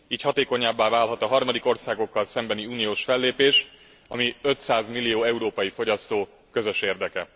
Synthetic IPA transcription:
iːchɒt̪eːko̞ɲaːbːaːvaːlɦɒt̪ɒɦɒrmɒd̪iko̞rsaːɡo̞kːɒlsɛmbɛniuːnijoːʃfɛlːeːpeːʃ | ɒ̰miø̞t̪saːzmilːijoːɛuɾoːpɒjifo̞ɟɒst̪oː | kø̞zø̞ʃeːrd̪ɛkɛ

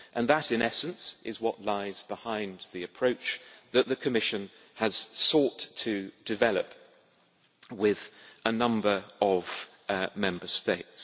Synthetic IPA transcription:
ʔə̃nðəɾɨ̃nɛsɨ̃nsʔɪzwʌʔlaɪzbɪhãɪ̃nðiɨpʰɹ̥oʊt͡ʃðəʔ̪̚ðɨkʰɨmɪʃɨ̃n | əz̥sɔˑtʰɨd̥ɨvɛlˠə̰p | wɪðʔənʌ̃mbə˞ʔəv̥ | mɛ̃mbəsteɪts

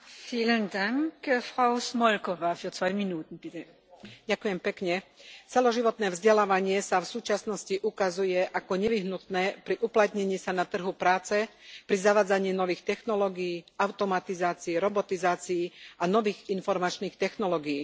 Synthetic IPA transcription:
fiːləndaŋkfʁ̥aʊsmɔlkɔvaːfyːɐt͡svaɪminuːt̪n̩b̥it̪ɛ | ɟakujɛmpɛkɲɛt͡sɛlɔʒiʋɔt̪nɛːvzɟɛlaːʋaɲɪɛsafsuːt͡ʃasnɔsciʔukazujɛʔakɔɲɛʋiɦnut̪nɛːpɾiʔuplat̪ɲɛɲiːsanat̪r̩ɦupɾaːt͡sɛpɾizaʋaːd͡zaɲɪiːnɔʋiːxt̪ɛxnɔlɔːɡiːʔaʊt̪ɔmat̪izaːt͡siːɾɔbɔt̪izaːt͡siːanɔʋiːɣinfɔɾmat͡ʃniːxt̪ɛxnɔlɔːɡijiː

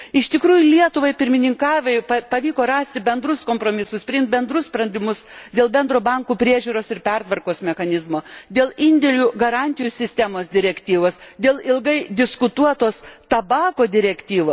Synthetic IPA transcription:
ɪʃt̪ʲɪkɾuːjʊlʲiɛt̪ʊʋɐɪpʲɪɾʲmʲɪnʲɪŋkɑːʋʲɛɪpɐpɐʋʲiːkoːɾɑːsʲt̪ʲɪbʲɛnd̪ɾʊskoːmpɾoːmʲɪsʊspʲɾʲɪɪmt̪̚ʲbʲɛnd̪ɾʊsspɾɐnʲd̪ʲɪmʊsd̪ʲeːlˠbʲɛnd̪ɾoːbɐŋkuːpʲɾʲiɛʒʲuːɾoːsɪɾpʲɛrt̪ʋɐrkoːsmʲɛxɐnʲɪzmoːd̪ʲeːlˠɪnʲd̪ʲɛlʲuːɡɐɾɑːnʲt̪ʲɪjuːsʲɪsʲt̪ʲæmoːsd̪ʲɪɾʲɛkt̪ʲiːʋoːsd̪ʲeːlˠɪlˠɡɐɪd̪ʲɪskʊt̪uɔt̪oːst̪ɐbɑːkoːd̪ʲɪɾʲɛkt̪ʲiːʋoː

